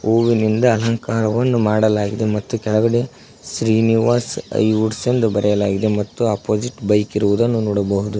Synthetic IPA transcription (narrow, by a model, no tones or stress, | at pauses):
oːʋinind̪ɐːlɐŋkaːɾɐʋɐnːumaːɽɐlaːɡid̪e̞mɐt̪ːukɛɭɐɡɐɽe̞ | sɾiːniʋaːsɐ̰juɖsend̪ubɐɾɛjɐlaːɡid̪e̞mɐt̪ːuaːpːoːd͡ʒiʈbɐjkiɾuʋud̪ɐnːunɔːɽɐbɐɦud̪u